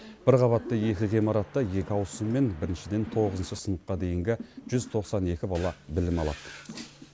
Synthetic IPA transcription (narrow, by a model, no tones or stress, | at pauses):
b̥ɪɾqʰɑβɑt̪ːəje̞kʲɪʁimɑɾɑt̪ːɑje̞kʲɪɑwsəmːe̞nbɪɾɪnʃɪd̪e̞nt̪ʰo̞ʁəzənʃəsənəqqːɑd̪e̞jɪŋɡʲɪʒ̥ʏz̥t̪ʰo̞qsɑne̞kʲɪbɑlˠɑbɪlɪmɑlˠɑ̰t̪